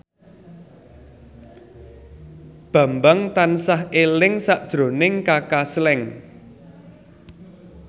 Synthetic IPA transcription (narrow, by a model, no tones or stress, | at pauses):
b̥ä̤mbaŋt̪ansahelɪŋsaʔd̥ʒ̥ɾo̤nɪŋkakaslɛŋ